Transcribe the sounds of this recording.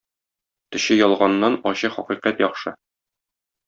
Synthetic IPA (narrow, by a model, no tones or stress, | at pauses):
t̪ɵ̆ɕɘjɒlˠʁɑnːɑnɒɕɤχɒqiqæt̪jɒχʃɤ